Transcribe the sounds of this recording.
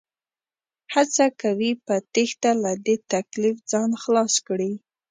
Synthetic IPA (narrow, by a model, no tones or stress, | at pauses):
hat͡sakawipət̪ext̪alad̪et̪aklifd͡zɑnxlɑskɽi